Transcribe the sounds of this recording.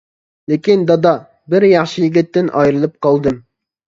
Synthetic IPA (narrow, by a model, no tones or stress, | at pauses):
lɪkʲind̪ɑd̪ɑ | bɪɾjɑχʃijiɡʲit̪ːɪnʔɑ̰jɾɨlˠɨp̚qʰɑlˠd̪ɨm